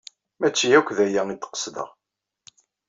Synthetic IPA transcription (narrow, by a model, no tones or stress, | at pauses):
mæt͡ʃːiækʷːðæjæid̪qə̥sd̪ə̰ʁ